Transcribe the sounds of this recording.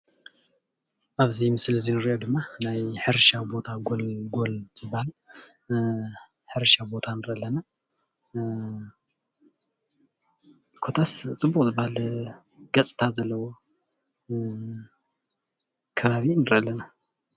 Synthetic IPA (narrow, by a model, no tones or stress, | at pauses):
ʔaβzimɨslzinɨɾiʔod̪ɨmːanajħɨɾʃawbo̞t̪ʰaɡolɡo̞lzɨbːahal | ħɨɾʃabo̞t̪ʰanɨɾɐɐlːɐna | kʰo̞t̪ʰast͡sʼɨbːukʼzɨbːahal | ɡɐt͡sʼt̪ʰazɐlːɐwo̞ | kʰɐβaβinɨɾalːɐna